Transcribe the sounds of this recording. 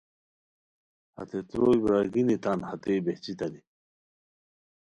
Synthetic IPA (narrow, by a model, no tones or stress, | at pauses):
hɐ̰t̪et̪ɾoːjbɾaɡinit̪anhat̪ebeht͡ɕit̪ɐni